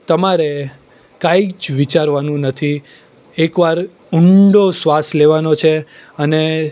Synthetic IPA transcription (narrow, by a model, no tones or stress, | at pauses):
t̪əmaɾe | kãid͡ʒʋit͡ʃaɾʋanũnət̪ʰi | ekʋaɾ | ʊɳɖosʋasleʋanot͡ʃʰe | əne